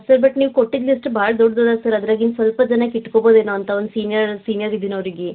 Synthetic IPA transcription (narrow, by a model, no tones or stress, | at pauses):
sɐɾbɐʈniːʋukoʈːid̪lisʈbaːɭɐd̪ɔɖːd̪od̪aːsɐɾɐd̪ɾɐːɡinsʋɐlpɐd͡ʒɐnɐkiʈːkobo̞ːd̪eːnoːɐnt̪ʰɐond̪usiːnijɐɾsiːnjɐɾid̪ːinɐʋɐɾiɡe